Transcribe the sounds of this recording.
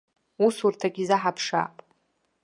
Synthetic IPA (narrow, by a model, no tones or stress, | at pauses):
usurtʰaɡʲizaħapʰʂa̰ːpʼ